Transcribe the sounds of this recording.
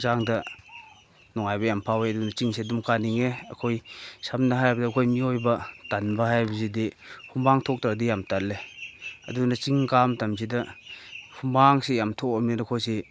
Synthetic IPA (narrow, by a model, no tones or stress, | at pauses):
zaŋdɐ | nɔŋajbɐjampʰaweɐdunɐt͡ʃiŋsedumkaniŋeɐkʰojsamnaɦajbɐdɐːkʰojmiojbɐtanbɐɦajbɐzidi | hʰumbaŋtʰɔk̚tadijamtalːeɐdunɐt͡ʃiŋkamtamzidɐ | hʰumaŋsejamtʰokɔmninakʰojse